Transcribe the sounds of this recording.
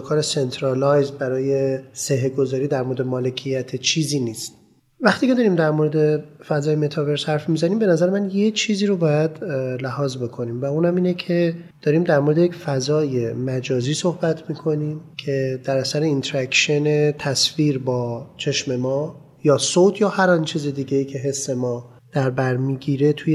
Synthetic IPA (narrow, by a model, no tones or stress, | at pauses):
kʰɒːɾese̞nt̪ʰɾɑlɒjzbæɾɒːje̞seɦeɡo̞zɒːɾiːd̪æɾmo̞ɾed̪e̞mɒːle̞cʰijæt̪ʰet͡ʃʰiːziːniːst̪ | væxt̪ʰiːkcʰeɒːɾiːmd̪æɾmo̞ɾe̞d̪e̞fæzɒːjeme̞t̪ʰɒve̞ɾshæɾfmizæniːmbe̞næzæɾemænje̞t͡ʃʰiːziːɾobɒːjæd̪læhɒːzbe̞kʰo̞niːmvæuːnhæmiːnecʰed̪̥ɒːɾiːmd̪æɾmoɾe̞d̪ejecfæzɒːje̞mæd͡ʒɒːziːso̞hbæt̪ʰmiːkʰo̞niːmcʰe̞d̪̥æɾæsæɾe̞int̪ʰeɾækʃene̞t̪ʰæsfiːɾbɒːt͡ʃʰe̞ʃme̞mɒː | jɒːsot̪ʰjɒːhæɾɒnt͡ʃʰiːze̞d̪iːɟejiːcʰe̞ɦe̞sːe̞mɒː | d̪̥æɾbæɾmiːɡiːɾe̞t̪ʰue